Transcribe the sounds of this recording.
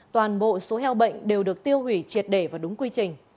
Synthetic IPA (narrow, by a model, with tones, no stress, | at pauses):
t̪waː˨˩nɓo̰˧˨so˨˦ɦɛ˧wɓə̰˧˨jŋ̟ɗe˨˩wɗɨ˨˩ək̚t̪i˧əwhi˧˩t͡ɕi˨˩ət̚ɗe˧˩vaː˨˩ɗʊ˨˦ŋ͡mkwi˧t͡ɕï˨˩ŋ̟